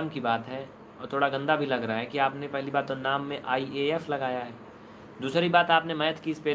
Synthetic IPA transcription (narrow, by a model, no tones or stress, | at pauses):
mkibaːt̪ɦɛ | ɔːɾt̪ʰoːɽaɡɐ̃nd̪abʱilɐɡɾɐaɦɛkiaːpnepɛɦlibaːɾt̪onaːmːẽʔaːieɛflɐɡaːjaɦɛː | d̪uːsɾibaːt̪aːpnemɐjət̪kiɪspeː